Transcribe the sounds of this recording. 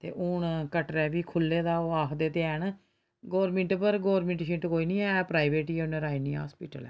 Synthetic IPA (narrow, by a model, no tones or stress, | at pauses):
t̪ḛːʔʊɳkəʈɾɛːʋiːkʰʊlːeːd̪aːoːaːkʰd̪eːt̪eɛːɳ | ɡɔːɾmɪ̃ɳʈpəɾɡɔːɾmɪ̃ɳʈʃɪʈkoːiːnĩːɛːɛːpɾaːiʋeːʈiːʊnəɾaːinĩːa̰ːspiːʈəlɛ̰ː